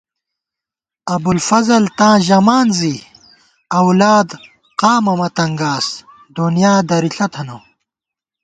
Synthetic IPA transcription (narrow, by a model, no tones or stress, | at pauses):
ɐbulfɐzɐlt̪ãːʑɐmaːnzi | ɐwlaːd̪ | qaːmɐmɐt̪ɐŋɡaːs | d̪unjaːd̪ɐɾiɬɐt̪ʰɐnow